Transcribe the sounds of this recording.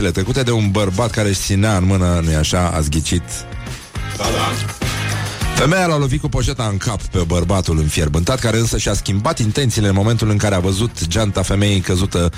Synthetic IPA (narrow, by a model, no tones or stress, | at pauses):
elet̪ɾəkut̪e̞d̪e̞unbərbat̪kaɾeʃsineaɨnmɨnənujaʃaa̰zɡʲit͡ʃit̪ | fe̞mejalalo̞vit̪̚kupo̞ʃe̞t̪aɨŋkapːe̞bərbat̪ulɨnfjerbɨnt̪at̪̚kaɾe̞ɨnsəʃiaskʲimbat̪int̪e̞nt̪siːleɨnmo̞me̞nt̪ulɨŋkaɾeavəzut̪d͡ʒant̪afe̞me̞jejkəzut̪ə